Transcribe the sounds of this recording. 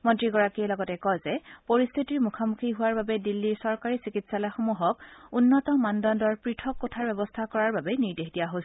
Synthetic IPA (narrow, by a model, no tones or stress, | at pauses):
mɔntɹiɡɔɹakiɛlɔɡɔtɛkɔjzɛpoɹist̪ʰitiɹmukʰamukʰiɦuwaɹbabɛdilːiɹsɔɹkaɹisikitsalajxomuɦɔkunːɔtɔmandɔndɔɹpɹitʰɔkːɔtʰaɹbɛbɔstʰakɔɹaɹbabɛniɹdexdijaɦos